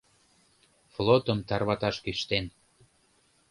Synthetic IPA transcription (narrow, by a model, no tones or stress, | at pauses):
flot̪əmt̪ɑrβɑt̪ɑʃkyʃt̪en